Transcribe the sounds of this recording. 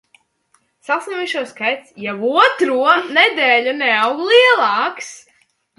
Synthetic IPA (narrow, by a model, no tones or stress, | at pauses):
sasnʲɛmiʃuɔskajt̪sjɛvuɔt̪ɾuɔnɛd̪ɛːlʲunɛawɡlˠiɛlˠɑːks